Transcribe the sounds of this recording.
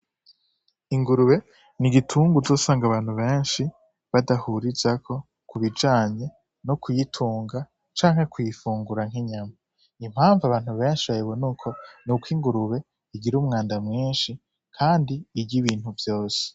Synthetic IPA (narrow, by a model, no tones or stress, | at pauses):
iŋɡuɾuβe̞ | niɡitʰuːŋɡuzo̞ːsaːŋɡaβaːn̥huβe̞ːnʃi | βadahuɾizakʰo̞ | kuβid͡ʒaːɲe̞ | nokujitʰuːŋɡa | t͡ʃaːŋhe̞kujifuːŋɡuɾaŋ̥ɦiɲama | im̥haːɱvaβaːn̥huβe̞ːnʃiβajeβonukʰo̞nukwiːŋɡuɾuβe̞ | iɡiɾuːmŋaːndamŋiːnʃi | kʰaːndiːɟiβiːn̥huvjo̞ːse̥